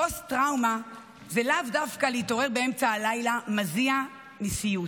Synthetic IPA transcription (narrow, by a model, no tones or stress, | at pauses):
ostʁawma | zelavdafkaleito̞ʁe̞ʁbee̞mt͡saːlajlamazia | misiju